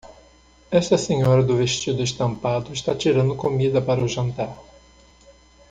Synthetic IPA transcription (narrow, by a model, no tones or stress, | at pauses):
ɛʃt̪ɐsẽɲɔɾɐd̪ʊveʃt͡ʃid̪ʊeʃt̪ɐ̃mpad̪ʊɪʃt̪at͡ʃiɾɐ̃nd̪ʊkomid̪ɐpaɾɐʊʒɐ̃nt̪aɾ